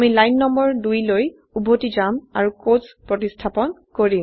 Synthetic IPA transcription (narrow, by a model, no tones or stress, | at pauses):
amilajnːɔmbɔɹdujloj | ubʱotizama̰ɹukospɹɔtistʰapɔnkoɹĩ